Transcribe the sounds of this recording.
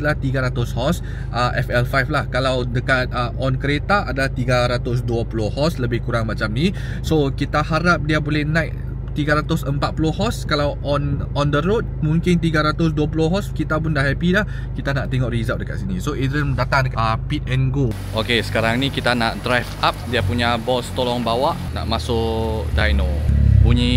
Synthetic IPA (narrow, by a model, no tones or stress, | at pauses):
alaht̪iɡaɾat̪ʊshɔs | ʔəʔɛfɛlfajflahkalawdəkat̪̚əʔɔnkəɾet̪aʔadalaht̪iɡaɾat̪ʊs̬duapulohɔsləbɪhkuɾaŋmat͡ʃamni | sokit̪ahaɾap̚diabolɛhnãjʔ | t̪iɡaɾat̪ʊsəmpat̪̚pulohɔskalawʔɔnɔndəɾot̪̚muŋkɪnt̪iɡaɾat̪ʊs̬duap̬ulʊɦɔskit̪ap̬ʊndahɦɛpidah | kit̪anaʔt̪eŋɔʔrizat̚dəka̰t̪sinisoʔiəndat̪aŋdəkapit̪̚ɛnɡo | ʔokesə̥kaɾaŋnĩkit̪anaʔdɾajfap̚diapuɲabɔst̪olɔŋbawaʔna̰ʔmasʊʔdajnobuɲi